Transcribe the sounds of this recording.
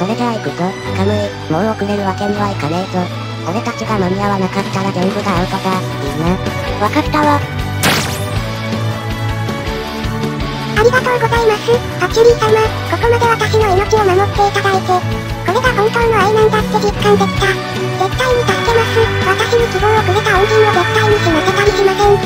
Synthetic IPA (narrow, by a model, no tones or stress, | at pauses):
ko̞ɾekɯɾaikɯt̪o | kame | mõnokɯ̟ɾeɾɯβake̞ɲɯβaikanet̪o | oɾe̞t̪at͡ɕiɡamamʲiaβanakat̪ːaɾaɡẽmbɯ̟ɡaːpok̪a | ina | βakat̪ːaβo | aɾʲiɡat̪o̞ːɡo̞zaimasɨ | kakʲːiɾʲisama | ko̞ko̞mad̪e̞βat̪aɕino̞ino̞t͡ɕiomano̞t̪ːe̞ik̪ad̪ait̪e | ko̞ɾe̞ɡakõŋkõnːoainãŋt̪asɨ̥t̪oɡikːãnd̪e̞sɨ̥k̪a | zekːaiɲ̟ikakːemasɨβat̪aɕiɲ̟ikʲibõɰ̃okɯɾet̪aõŋkʲĩɲːozek̪ːaiɲ̟ikimak̪ak̪aɾʲiɕimasẽ̞ŋ